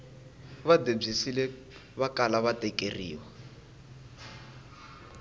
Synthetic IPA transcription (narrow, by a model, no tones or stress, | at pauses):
βadeb͡ʐisilɛ | βakʼalaβatɛkʼerḭːwa